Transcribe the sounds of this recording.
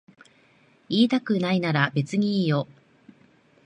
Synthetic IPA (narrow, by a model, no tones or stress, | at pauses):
iːt̪akɯ̟nainaɾabe̞t͡sɨɲ̟iiːjo̞